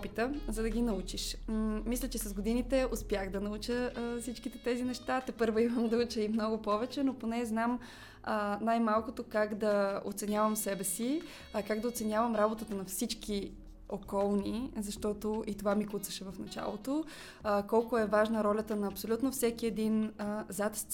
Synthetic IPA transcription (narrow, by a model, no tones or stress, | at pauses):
pit̪əzɐd̪ɐɡ̟inɐut͡ʃiʃmislʲət͡ʃɛsɐzɡod̪init̪ɛospʲjaxd̪ɐnɐut͡ʃəfsit͡ʃkit̪ɛt̪ɛzinɛʃt̪at̪ɛpɤɾvoiməmd̪ɐut͡ʃəimnɔɡʊpɔvɛt͡ʃɛnoponɛznam | ənajmalˠkʊt̪okaɡd̪ɐo̰t̪sɛnʲjavəmsɛbɛsi | kaɡd̪ɐot̪sɛnʲavəmɾabot̪ət̪ənɐfsit͡ʃki | okɔlˠnizɐʃt̪ɔt̪oʔit̪ovamikut̪sɐʃɛvɐfnɐt͡ʃa̰lˠo̰t̪o | kɔlˠkʊɛvaʒnəɾɔlʲət̪ənɐːpsolʲut̪nofsɛkiɛd̪inəzat̪s